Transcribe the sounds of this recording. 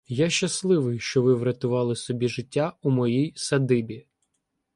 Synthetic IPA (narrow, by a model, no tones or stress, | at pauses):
jaʃt͡ʃɐslˠɪʋɪjʃt͡ʃɔʋɪʋɾɐt̪ʊʋɑlˠɪsɔbʲiʒɪtʲːaumɔjijsɐd̪ɪbʲi